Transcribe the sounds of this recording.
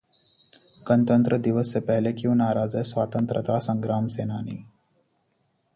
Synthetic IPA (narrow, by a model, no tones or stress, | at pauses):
kənt̪ənt̪ɾəd̪iʋəsːepɛɦlekiũnaːɾad͡zəjsʋat̪ənt̪ɾə̰t̪ɾasəŋɡɾamsenanḭː